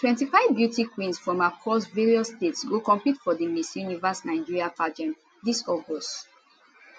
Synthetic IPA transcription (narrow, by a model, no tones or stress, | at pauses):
twɛ̃ntifaɪvbjutikwĩnsfɹɔ̃makʰɔsveɹiɔstetsɡokɔ̃mplitfɔdimisjunivasnaɪ̃d͡ʒiɹiavad͡ʒɛ̃n | disɔɡɔst